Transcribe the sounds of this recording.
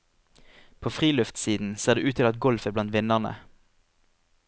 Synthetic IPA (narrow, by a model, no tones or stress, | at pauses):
pʰoːfʁiːlʉft̪siːd̪n̩seːʁd̪eːʔʉːt̪ʰɪlɑt̪̚ɡɔlfəblɑnt̪ʋɪnəʁnə̰